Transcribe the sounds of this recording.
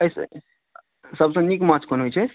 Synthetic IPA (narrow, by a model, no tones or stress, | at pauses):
əs | səbsə̃nikmat͡ʃkʰonɦujt͡ʃʰɛ